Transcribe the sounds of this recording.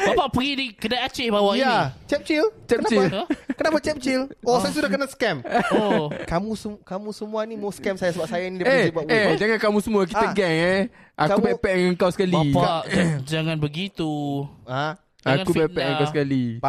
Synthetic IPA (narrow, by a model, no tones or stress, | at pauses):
bapaʔpəɡidikədaat͡ʃebawajat͡ʃɛp̚t͡ʃilt͡ʃɛənat͡ʃilkənapat͡ʃɛp̚t͡ʃilosajasudahkənaskɛm | kamũsəkamũsəmũanimaskɛmsajasəbap̚sajainidieibuaʔed͡ʒaŋankamũsəmuak̬it̪aɡɛŋɛ | ʔakupɛpɛʔŋəŋkawsə̥kalbiad͡ʒaŋanbəɡit̪ua | akubɛpɛʔəŋkawsəkali